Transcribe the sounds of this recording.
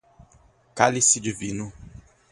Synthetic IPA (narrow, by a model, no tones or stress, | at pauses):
kalisid͡ʒivinʊ